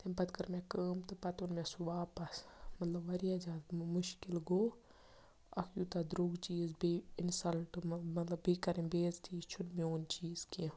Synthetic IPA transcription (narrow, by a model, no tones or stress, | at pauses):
t̪ebɐt̪kɐɾmẽkəːmt̪ɨpɐt̪onmẽsuʋaːpɐsmɐt̪lɐbʋɐɾijad͡ʒad̪mʊʃkɪlɡoː | ɐ̰kjut̪ad̪ɾuːɡt͡ʃiːzbeɪnsɐlʈmmɐt̪lɐbːiːkɐɾĩbeːzt̪ʰiːt͡ʃʰʊd̪moːnt͡ʃiːzkĩ